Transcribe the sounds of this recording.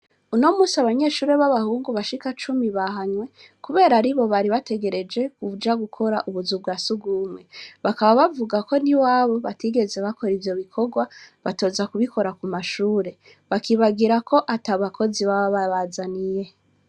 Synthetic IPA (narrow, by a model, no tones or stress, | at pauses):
uno̞muːsiaβaɲe̞ʃuːɾe̞βaβahuːŋɡuβaʃikat͡ʃumiβaɦaɲwe̞ | kuβe̞ːɾaɾiβo̞βaɾiβate̞ɡe̞ɾe̞d͡ʒe̞kuvud͡ʒaɡukʰo̞ɾa̰ʔuβuzub̚ɡwaːsuɡumwe̞βakaβaβavuɡako̞niwaβo̞βatiɡe̞ze̞βakʰo̞ɾivjo̞βikʰo̞ɡwaβato̞zakuβikʰo̞ɾakumaʃuːɾe̞ | βakiβaɡiɾakʰo̞ʔataβakʰo̞ziβaβaβaβazanije̞